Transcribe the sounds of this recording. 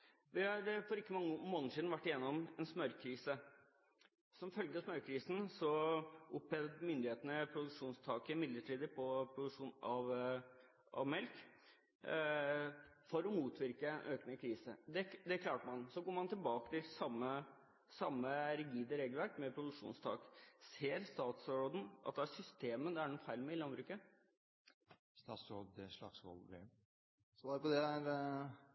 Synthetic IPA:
ʋɪhɑɾfɔɾɪkːəmɑŋːmoːnəsiːd̪n̩ʋæʈːɪjɛnːɔmɛnsmœɾkʰɾiːsə | sɔmfœlɡəsmœɾkʰɾiːsn̩sɔʔʊpɛd̪mʏnd̪ɪheːt̪ənəpʰɾʊd̪ʉkʂuːnst̪ʰɑːkəɪmɪd̪ləʈʰiːd̪əpʰɔpʰɾʊd̪ʉkʂuːnɑʋ | ɑ̰ʋmɛlk | fɔɾɔmuːt̪ʰʋɪɾkəɛnʔøːknəkʰɾiːsə̰d̪ɛd̪ɛkʰlɑːʈəmɑnsɔɡoːɾmɑnt̪ɪlbɑːkə̥t̪ɪlsɑmːə | sɑmːəɾɛɡiːd̪əɾeːɡəlʋæɾkmɛpʰɾʊd̪ʉkʂṵːnst̪ʰɑ̰ːkseːɾst̪ɑːt̪sɾoːd̪ən̩ʔɑ̰t̪̚d̪ɛæsʏst̪eːməd̪ɛæɖɛnɔfæɪlmɛɪlɑnbɾʉːkə | st̪ɑːsɔd̪ɛʂlɑ̰ksʋɔ̰lɡɾɛ̰ | sɔʋɑːɾpɔd̪ɛæɾ

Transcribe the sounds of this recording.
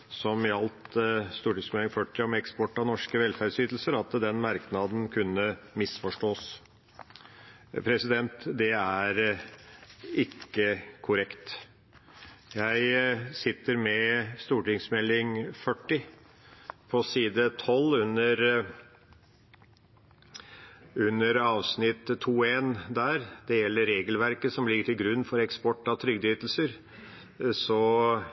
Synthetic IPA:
sɔmɑlt̪st̪uːʈɪŋsmɛlɪŋfœʈːɪɔmɛkspɔʈːɑnɔʂkəʋɛlfæɾɖsyːt̪l̩səɾɑt̪d̪ɛnmɑɾknɑd̪n̩kʰʉnːəmɪsfɔʂʈoːs | pʰɾɛsɪd̪ɛnt̪d̪ɛæɾ | ɪkːəkʰʊɾɛkt̪ | jæɪsɪt̪ːəɾmɛst̪uːʈɪŋsmɛlːɪŋfœʈːɪ | pʰɔsiːd̪ət̪ʰɔlːʉnːəɾ | ʉnːəɾɑːʋsnɪt̪ːʰuːeːnd̪æːɾd̪̥ɛjɛlːəɾeːɡəlʋæɾkəsɔmlɪɡːəʈɪlɡɾʉnːfɔɾɛkspɔʈːɑt̪ʰɾʏɡd̪yːt̪l̩səɾ | sɔ

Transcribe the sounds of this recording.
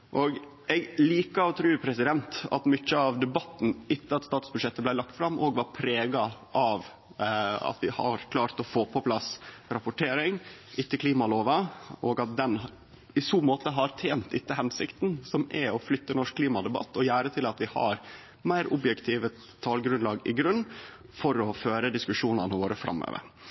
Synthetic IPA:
ʔɔɡ | ɛɡliːkəɔt̪ʰɾʉːpʰɾɛsɪd̪ɛnt̪ɑ̰t̪mʏc͡çːəɑʋd̪ɛbɑt̪ːn̩ʔɪt̪ːəɑt̪st̪ɑːt̪sbʉʂɛt̪ːəblæɪlɑk̚t̪fɾɑmʔɔɡʋɑɾpʰɾeːɡɑʔɑʋ | ɑ̰t̪ʋɪhɑ̰ɾkʰlɑːɾt̪ɔfoːpʰɔpʰlɑsɾɑpʊʈʰeːɾɪŋʔɪt̪ːəkʰliːmɑloːʋɑʔɔɡɑt̪̚d̪ɛn | ɪsuːmoːt̪əɦɑɾt̪ʰeːnt̪ɪt̪ːəɦɛnsɪkt̪nsɔmʔɛɔflʏt̪ːənɔʂkʰːliːmɑd̪ɛbɑ̰t̪ːɔjæːɾət̪ʰɪlɑt̪ʋɪhɑ̰ɾ | mæɪɾʊbjɛkt̪ʰiːʋə | t̪ʰːɑːlɡɾʉnlɑːɡɪ̰ɡɾʉnː | fɔɾɔføːɾəd̪ɪskʉʂuːnɑnəʋoːɾəfɾʔɑ̰mːø̰ːʋə̰ɾ

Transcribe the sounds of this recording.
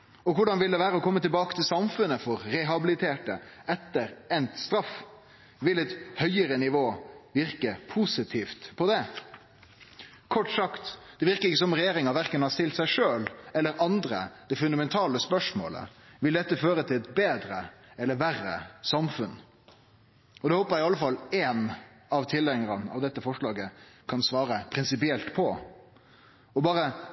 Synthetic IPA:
ɔkʰʊɖɑnʋɪld̪ɛʋæːɾəɔkʰɔmːət̪ɪlbɑːkət̪ʰɪlsɑmfʉnəfɔɾɾɛɦɑbɪlɪt̪ʰeːʈəɛt̪ːəɾɛnt̪st̪ɾɑf | ʋɪlɛt̪hœʏəɾənɪʋoːʋɪɾkəpʰuːsɪt̪ʰiːft̪pʰɔd̪ɛ | kʰɔʈːsɑkt̪d̪̥ɛʋɪɾkəɾɪkːəsɔmɾɛjeːɾɪŋɑʋæɾkənhɑst̪ɪlt̪sæɪʂøːlɛlːəɾɑnd̪ɾə̰d̪̥ɛfʉnd̪ɑmɛnt̪ʰɑːləspœʂmo̰ːlə̰ʋɪld̪ɛt̪ːəføːɾət̪ʰɪlɛt̪beːd̪ɾəɛlːəɾʋærə̰sɑmfʉn | ɔd̪ɛhoːpəɾjæɪɑlːəfɑlːɛn | ɑʋt̪ʰɪlɛŋəɾənɑ̰ʋd̪ɛt̪ːəfɔʂɭɑːɡəkʰɑnsʋɑːɾəpʰɾɪnsɪpɪɛlt̪pʰɔ | ɔbɑːɾə

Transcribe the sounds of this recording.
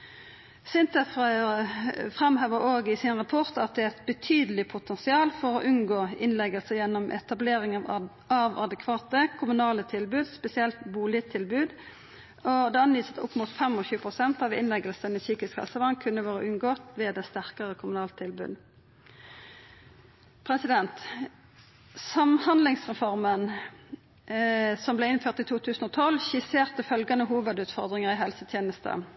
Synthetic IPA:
sɪnt̪əf | fʁɛmhøːʋəɾoːɡɪsɪnʁɑpʰɔʁt̪ɑt̪̚d̪ɛæɾɛt̪bət̪ʰyːd̪əlɪpʰʊt̪ʰɛnsɪɑːlfɔʁɔʔʉnɡoːɪnlɛɡəlsəjɛnːɔmʔɛ̰t̪ɑbleːʁɪŋ | ɑʋɑ̰d̪ɛkʰʋɑːt̪əkʰʊmʉnɑːlət̪ʰɪlbʉːd̪spɛsɪɛlt̪buːlɪət̪ʰɪlbʉːd̪ | ɔd̪ɛːɑnʋiːsə̥t̪ʰʊ̰pːmuːt̪fɛmɔçʉːəpʰʁʊsɛnt̪ɑʋɪ̰nlɛɡəlsənɪçiːkɪskhɑ̰lsəʋɑnkʰʉnːəʋoːʁəʔʉnɡoːt̪ʋeːd̪ɛst̪æʁkəʁəkʰʊmʉnɑːlt̪t̪ʰːɪlbʉ̰ːd̪ | pʰʁɛsɪd̪ɛnt̪ | sɑmhɑnd̪lɪŋsʁɛfɔʁmən | sɔmblɛɪnføːʁt̪iːt̪ʰuːt̪ʰʉːsn̩ɔːt̪ʰɔlçɪseːʁt̪əfœlɡɑnəɦuːʋəd̪ʉːt̪fɔʁd̪ʁɪŋəʁɪɦɛlsət̪ʰjeːnəst̪ə̰

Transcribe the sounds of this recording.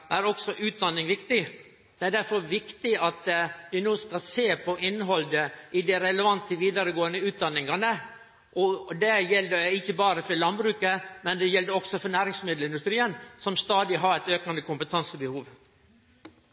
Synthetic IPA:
æɾɔksɔʔʉːt̪̚d̪ɑnːɪŋʋɪkt̪ɪ | d̪̥ɛæɖ̪æɾfɔɾʋɪkt̪ɪʔɑt̪ʋɪnoːskɑlseːpʰɔʔɪnːɦɔld̪əʔɪd̪ɛɾɛləʋɑnt̪əʋiːd̪ɑɾəɡoːənəʉːt̪̚d̪ɑnːɪŋɑnə | ʔɔd̪ɛjɛld̪əɪçːəbɑːɾəfɔɾlɑnbɾʉːkəmɛnd̪ɛjɛld̪əɾɔksɔfɔnæːɾɪŋsmɪd̪l̩ɪnd̪ʉst̪ɾiːənsɔmst̪ɑːd̪ɪɦɑɾæt̪øːkɑnd̪əkʰʊmpət̪ʰɑnsəbəhuːʋ

